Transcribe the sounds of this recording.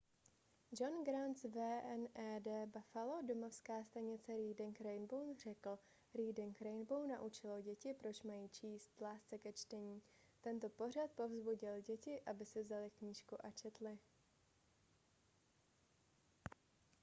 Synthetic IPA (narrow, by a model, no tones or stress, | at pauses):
d͡ʒonɡɾansvɛːʔɛnɛːdɛːbafalodo̞mofskaːst̪aɲɪt͡sɛɾiːdɪŋkɾɛjnbownr̝̥ɛkl̩ | ɾiːdɪŋkɾɛjnbownaʔut͡ʃɪloɟɛcɪpɾo̞t͡ʃmajiːt͡ʃiːst̪laːst͡sɛkɛt͡ʃt̪ɛɲiː | t̪ɛnt̪o̞po̞r̝at̪̚po̞vzbuɟɪlɟɛcɪʔabɪsɪvzalɪkɲiːʃkuʔat͡ʃɛt̪lɪ